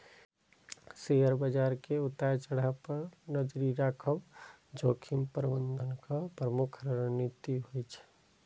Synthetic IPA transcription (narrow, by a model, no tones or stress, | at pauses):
seɦəɾbəd͡ʒaːɾkeʊt̪at͡ʃəɽ̤apəɾnəd͡ʒɾiɾakʰəm | d͡ʒoːkʰimpɾbənd̪ʱənkapɾəmʊkʰɾəɾnit̪iɦojt͡ʃʰɛ̥